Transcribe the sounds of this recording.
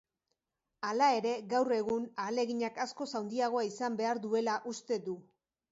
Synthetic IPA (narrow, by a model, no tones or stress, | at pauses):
alae̞ɾe̞ɣawre̞ɣunale̞ɣiɲakasko̞sawnd̪iaɣ̞o̞aisambe̞aɾðue̞laʔust̪e̞ðu